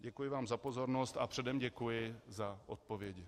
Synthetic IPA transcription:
ɟɛkujɪvaːmzapo̞zo̞ɾnost̪apr̥ɛdɛmɟɛkujɪzaʔot̪̚povjɛɟɪ

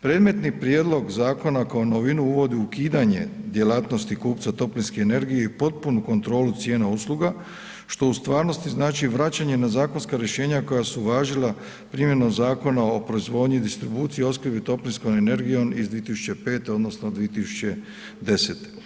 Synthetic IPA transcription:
pɾed̪me̞t̪nipɾjed̪lo̞ɡzaːko̞nakaonoʋinuuʋo̞d̪iukiːd̪aɲe̞̰d̪je̞laːt̪no̞st̪ikuːpt̪sat̪o̞plinskeːne̞ɾɡijeipo̞t̪̚punuko̞nt̪ɾo̞ːlut̪sje̞ːnausluɡa | ʃt̪o̞ust̪ʋaːɾno̞st̪iznaːt͡ʃiʋɾat͡ɕaɲe̞nazaːko̞nskaɾjeʃe̞ːɲako̞jasuʋaːʒila | pɾimje̞nomzaːko̞naopɾo̞izʋo̞ːd̪ɲuid̪ist̪ɾibuːt̪sijio̞skɾbit̪o̞plinskonene̞ɾɡijo̞mizd̪iet̪isut͡ɕe̞pe̞ːt̪eo̞d̪no̞snod̪ʋiet̪isu̥t͡ɕe̞ | d̪e̞set̪e̥

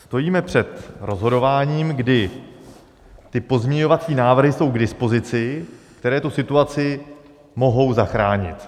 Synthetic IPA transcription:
st̪o̞jiːmɛpr̝̥ɛt̪ɾo̞zɦo̞do̞vaːɲiːmɡdɪ | t̪ɪpo̞zmɲɛɲo̞vat͡siːnaːvr̩ɦɪso̞wɡdɪspozɪt͡sɪkt̪ɛɾɛːt̪usɪt̪uat͡sɪ | mo̞ɦo̞wzaxɾaːɲɪ̰t̪

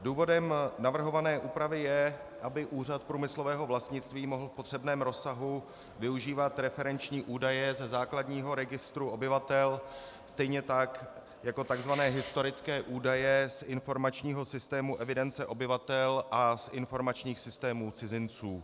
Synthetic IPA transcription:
duːvo̞dɛmnavr̩ɦo̞vanɛːʔuːpɾavɪjɛʔabɪʔuːr̝at̪̚pɾuːmɪslo̞vɛːɦo̞vlast̪ɲɪt͡st̪viːmo̞ɦl̩fpo̞t̪r̥ɛbnɛːmɾo̞saɦu | vɪuʒiːvat̪ɾɛfɛɾɛnt͡ʃɲiːʔuːdajɛzɛzaːkladɲiːɦo̞ɾɛɡɪst̪ɾuo̞bɪvat̪ɛl | st̪ɛjɲɛt̪ak | jako̞t̪aɡzvanɛːɦɪst̪o̞ɾɪt͡skɛːʔuːdajɛsʔɪnfo̞ɾmat͡ʃɲiːɦo̞sɪst̪ɛːmuʔɛvɪdɛnt͡sɛʔo̞bɪvat̪ɛlʔasɪnfo̞ɾmat͡ʃɲiːxsɪst̪ɛːmuːt͡sɪzɪnt͡suː

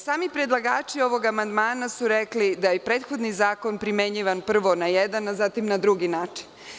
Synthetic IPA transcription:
saːmipɾed̪lˠaɡaːt͡ʃio̞ʋo̞ɡamand̪maːnasuɾeklid̪ajepɾeːt̪xo̞d̪nizaːko̞npɾimeɲiʋanpr̩ʋo̞najed̪anazat̪imnad̪ɾuɡinaːt͡ʃi̥n

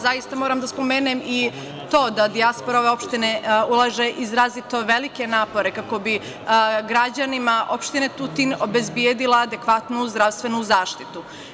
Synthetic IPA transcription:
zajist̪amo̞ːɾamd̪aspo̞meːnemi | t̪o̞ːd̪ad̪iaspoɾao̞ʋe̞o̞pʃt̪ineulˠaʒeʔizɾaːzit̪o̞ʋe̞like̞naːpo̞ɾe̞kako̞bi | ɡɾad͡ʑanimaʔo̞pʃt̪inet̪ut̪ino̞be̞zbjed̪ilˠaːd̪e̞kʋat̪nuzd̪ɾaʋst̪ʋe̞nuzaːʃt̪it̪u

